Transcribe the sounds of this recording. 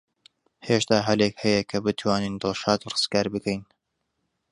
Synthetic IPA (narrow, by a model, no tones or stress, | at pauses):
heːʃt̪aːɦɐlekhɐjɐkʰɐbɨt̪ʰwaːnind̪ɨlˠʃaːt̪rɨz̥kaːɾbɨkʰɛjn